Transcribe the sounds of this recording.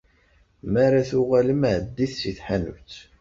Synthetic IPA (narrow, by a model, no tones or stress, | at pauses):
mæɾaθʊʁaləmʕəd̪ːiθsiθħanṵt͡sː